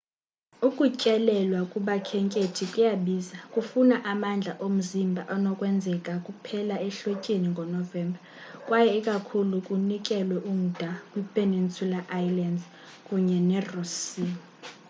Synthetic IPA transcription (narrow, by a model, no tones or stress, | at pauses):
ukʼucʼɛlɛlwakʼuɓakʰɛŋkʼetʰikʼujaɓiːzakʼufunaʔamand͡ɮʱaʔom̩zimbʱaʔɔnɔkʼwɛnd͡zʱɛkʼakʼupʰɛlaɛɬocʼiniŋɡʱɔnɔvɛːmbʱa | kʼwajɛikʼakʰulukʼunikʼɛlwɛʔum̩d̥ʱakʼwipʰʼenint͡sʼulaʔajlandz | kʼuɲɛnɛrusi